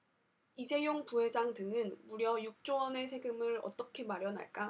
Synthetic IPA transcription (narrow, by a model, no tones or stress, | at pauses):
id͡ʑe̞joŋpuɦe̞d͡ʑaŋdɯŋɯnmuɾjʌjuk̚t͡ɕ͈owʌne̞sʰe̞ɡɯmɯɾʌ̰t͈ʌkʰe̞maɾjʌna̰ɭk͈a